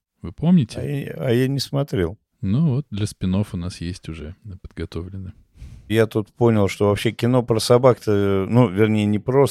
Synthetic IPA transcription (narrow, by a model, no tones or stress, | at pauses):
vɨpo̞mnʲɪtʲɪaɐjanʲɪsmɐt̪ɾʲḛlˠ | nuvot̪̚d̪lʲəspʲɪno̞fʊnasjesʲtʲʊʐɛpə̥d̪ɡɐt̪o̞vlʲɪnːɨ | jat̪ut̪po̞nʲɪlˠʂt̪o̞vɐpɕːekʲɪno̞pɾəsɐbakt̪ənuvʲɪrnʲejənʲɪpɾo̞s